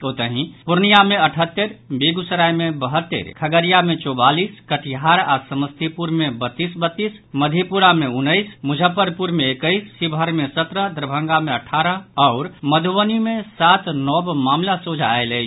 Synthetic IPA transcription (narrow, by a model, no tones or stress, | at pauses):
ot̪əɦĩpʊɾnijamẽəʈʰət̪ːəɾbeɡusəɾajmẽbəɦət̪ːḛɾkʰəɡəɾijamẽt͡ʃɔbaːliskəʈʰjaɾa̰ːsəməst̪ʰipuɾmẽbət̪ːisbət̪ːisməd̪ʱepuɾamẽʊnːəɪsmʊd͡ʒʱəpːəɾpuɾmẽːkəɪsːibʱəɾmẽsət̪ɾəd̪ɾbʱə̃ŋɡamẽəʈʰːaɾəɔʊɾməd̪ʱuʋənimẽsat̪nɔbmaːmlasod͡ʒʱa̰elə